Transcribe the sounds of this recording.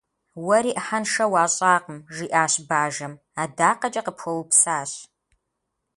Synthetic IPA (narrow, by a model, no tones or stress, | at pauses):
wɐɾiːʔəħɐnʂɐwaːɕʼaːqəmʒiːʔaːɕbaːʒɐm | aːdaːqɐd͡ʒʼɐqəpʰxʷɔwpsaːɕ